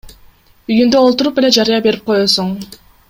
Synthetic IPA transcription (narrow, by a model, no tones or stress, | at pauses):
yjynd̪øolˠt̪uɾupe̞le̞d͡ʒɑɾɯjɑbe̞ɾip̚qʰo̞josuɴ